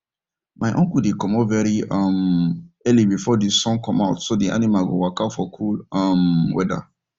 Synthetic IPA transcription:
maɪʔɔ̃ŋkudekɔ̃mɔvɛɹiɔmɛlibifɔdisɔ̃ŋkʰɔ̃maʊtsodiʔa̰nimaɡowakafɔkʰulɔmwɛ̰da̰

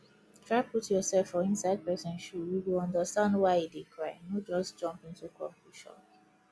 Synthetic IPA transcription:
tʰɹaɪputjɔsɛlfɔĩnsaɪd̚pɛsɛ̃nʃujuwilɔ̃ndəstãndwaɪidekʰɹaɪnod͡ʒɔsd͡ʒɔ̃mpĩntukɔ̰̃mpuʃɔ̰̃

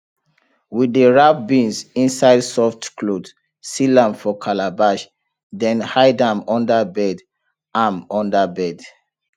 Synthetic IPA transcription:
widəɹafbĩnsĩnsaɪdsɔftkʰlod | silãmfɔkʰalabaʃ | dɛ̃nhaɪdãmɔ̃ndəbɛd | ãmɔ̃ndəbɛd

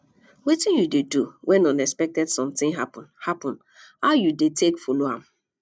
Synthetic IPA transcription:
wetɪ̃njudeduwʔɛ̃nɔ̃nɛkspɛk̚tɛdsɔ̃mt̪ɪ̃ŋɦapɔ̃nhapɔ̃n | aʊjudetʰekfoloam

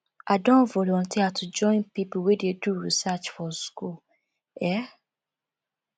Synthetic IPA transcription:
adɔ̃volɔ̃tiatud͡ʒɔ̃ɪ̃npiplwededuɹḭsat͡ʃfɔskul | ɛ

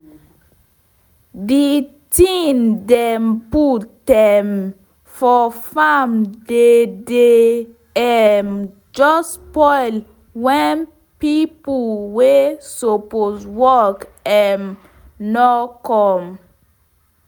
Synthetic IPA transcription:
di | tĩndɛmpudɛm | fɔfamdede | ɛm | d͡ʒɔspɔɪl | wɛ̃n | pipəlwesoposwɔkɛm | nɔkɔ̃m

